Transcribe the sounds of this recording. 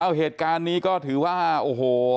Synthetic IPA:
a˧˩wɦeː˨˩t̪̚kaː˧nːiː˦˥kɔː˥˩t̪ʰɯː˩˦waː˥˩ʔoː˧˩hoː˨˩

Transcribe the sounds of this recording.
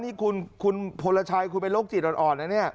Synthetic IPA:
niː˦˥˩kʰu˧nkʰu˧npʰo˧la˧t͡ɕʰaː˧jkʰu˧npe˧nloː˦˥˩k̚t͡ɕi˨˩t̪̚ɔ˨˧nʔɔː˨˩nːa˦˧˥ni˥˩ɐ

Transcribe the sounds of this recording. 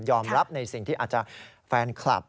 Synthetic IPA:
jɔː˧mɾa˦˥p̚na˧jsi˨˩ŋt̪ʰiː˥˩aː˨˩t͡ɕa˨˩ | fɛː˧nkʰla̰˨˩p̚

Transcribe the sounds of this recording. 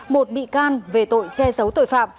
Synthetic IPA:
mo˨˩t̚ɓḭ˧˨kaː˧nve˨˩t̪o̰˧˨jt͡ɕɛ˧zə˨˦wt̪o̰˧˨jfa̰ː˧˨m

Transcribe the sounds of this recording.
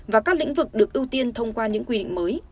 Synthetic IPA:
vaː˨˩kaː˦˥k̚lḭ˧˥ŋ̟vɨ˨˩k̚ɗɨ˨˩ək̚ʔi˧wt̪i˧ənt̪ʰə˧wŋ͡mkwaː˧ɲɨ̰˧˥ŋkwi˧ɗḭ˧˨ŋ̟məː˨˦j

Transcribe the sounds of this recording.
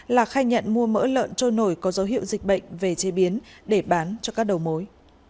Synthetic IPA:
laː˨˩xaː˧jɲə̰˧˨nmu˧əmə̰ː˧˥lə̰ː˧˨nt͡ɕo˧no˧˩jkɔ˨˦zə˨˦wɦḭ˧˨əwzï˨˩k̟̚ɓə̰˧˨ŋ̟ve˨˩t͡ɕe˨˦ɓi˨˦ənɗe˧˩ɓaː˨˦nt͡ɕɔ˧kaː˦˥k̚ɗə˨˩wmo˨˦j

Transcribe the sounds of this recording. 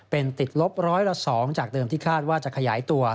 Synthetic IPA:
pe˧nt̪i˨˩t̪̚lo˦˥p̚ɾɔː˦˥jla˦˥sɔː˩˦ŋt͡ɕaː˨˩k̚t̪ɤː˧miː˥˩kʰaː˥˩t̪̚waː˥˩t͡ɕa˨˩kʰa˧jaː˩˦jt̪u˧ɐ

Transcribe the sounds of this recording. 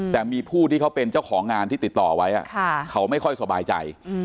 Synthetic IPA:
t̪ɛː˨˩miː˧pʰuː˥˩t̪ʰiː˥˩a˦˥wpe˧nt͡ɕa˥˩wxʰɔː˩˦ŋːaː˧nt̪ʰiː˥˩t̪i˨˩t̪ːɔː˨˩˧wa˦˥jʔa̰˨˩kʰa˥˩kʰa˦˥wma˥˩jkʰɔ˥˩jsa˧baː˧jt͡ɕa̰˧j

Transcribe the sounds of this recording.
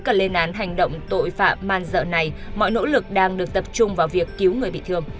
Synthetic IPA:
ka˧˩le˧nʔaː˨˦nɦa˨˩jŋ̟ɗə̰˧˨wŋ͡mt̪o̰˧˨jfa̰ː˧˨mmaː˧nzə̰ː˧˨na˨˩jmɔ̰˧˨jno̰˧˥lɨ˨˩k̚ɗaː˧ŋɗɨ˨˩ək̚t̪ə˨˩p̚t͡ɕʊ˧ŋ͡mvaː˨˩wvi˨˩əkːi˨˦wŋɨ˨˩əjɓḭ˧˨t̪ʰɨ˧əŋ

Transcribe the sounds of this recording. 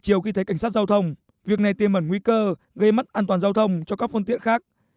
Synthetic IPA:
t͡ɕi˨˧˩əwxi˧t̪ʰə˨˦jka˧˩ŋ̟saː˦˥t̚zaː˧wt̪ʰə˧wŋ͡m | vi˨˩ək̚na˨˩jt̪i˨˩mə˧˩nŋwi˧kəː˧ | ɣə˧jma˦˥t̚ʔaː˧nt̪waː˨˩nzaː˧wt̪ʰə˧wŋ͡mt͡ɕɔ˧kaː˦˥k̚fə˧nt̪ḭ˧˨ənxaː˦˥k̚

